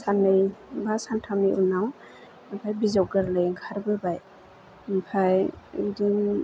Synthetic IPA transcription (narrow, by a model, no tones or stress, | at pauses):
sanːɯjbasantʰamiʔunaw | bʰajbizawɡaɾlɯjŋkʰaɾbɯbaj | mpʰajidin